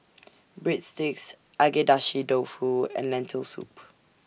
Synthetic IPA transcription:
bɹitstɪks | ʔaɡɛdaʃidofuɛ̰̃nlɛ̃ntʰəlsṵp

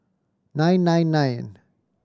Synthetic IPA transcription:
nãjnːãjnːajn

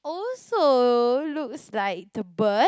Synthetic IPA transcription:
ɔlsolukslaɪk̚d̪əbə

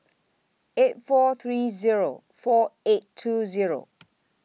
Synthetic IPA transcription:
et̚fɔθʰɹiziɹo̰ | fɔetʰːuziɹo̰

